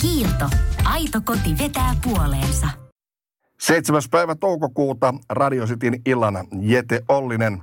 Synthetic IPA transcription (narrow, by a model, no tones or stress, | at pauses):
kiːlt̪oɑjt̪okot̪iʋe̞t̪æːpuoleːnsɑ | sejt̪semæspæjʋæt̪o̞ukokuːt̪ɑrɑdios̬it̪inilːɑnjet̪eʔolːinen